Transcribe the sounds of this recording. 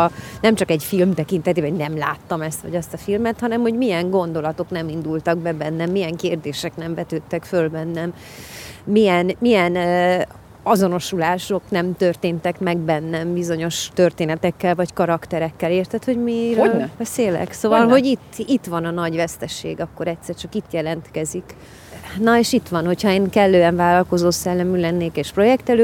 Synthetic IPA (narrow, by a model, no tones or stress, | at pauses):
nɛmt͡ʃɒkɛcfilmt̪ɛkin̪t̪ɛt̪eːbɛnɛmla̰ːt̪ːɒmɛst̪ʋɒ̰ɟɛst̪ɒfilmɛt̪hɒnɛmho̞ɟmijɛŋɡo̞n̪d̪o̞lɒt̪o̞knɛmind̪ult̪ɒɡbɛbɛnːɛmːijɛŋkeːrd̪eːʃɛknɛɱvɛt̪øːt̪ːɛkfølbɛnːɛmː | ijɛnmijɛn | ɒzo̞no̞ʃulaːʃo̞knɛmt̪ørt̪eːnt̪ɛkmɛɡ̚bɛnːɛmbizo̞ɲo̞ʃt̪ø̞rt̪eːnɛt̪ɛkːɛlvɒckɒɾɒkt̪ɛɾɛkːɛleːrt̪ɛt̪ho̞ɟmibɛseːlɛ̰ksoːvɒlɦo̞ɟit̪ːit̪ʋɒnɒnɒɟʋɛst̪ɛʃḛːɡɒkːo̞ɾɛt̪sɛrt͡ʃɒkit̪jɛlɛnt̪kɛzik | nɒeːʃit̪ʋɒnho̞chɒeːŋkɛlːøːɛɱvaːlɒlko̞zoːsɛlːɛmylɛnːeːkeːʃpro̞jɛkt̪ɛløː